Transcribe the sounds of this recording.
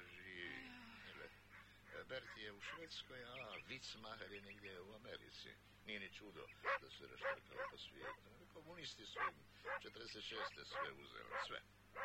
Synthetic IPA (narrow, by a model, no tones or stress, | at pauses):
ʒi | elɛ | bɛɾt̪ieuʃʋeːt̪skojaʋit̪smaɦaɾjenɛɡd̪jeuameɾḭt̪sḭ | nienit͡ʃud̪o̰d̪asuɾɛ̰ʃt̪eka̰lposʋjḛːt̪unelikomunist̪isuim | t͡ʃɛt̪əɾd̪ɛset̪ʃeːst̪ɛsʋɛuzɛ̰lɛ̰sʋɛ̰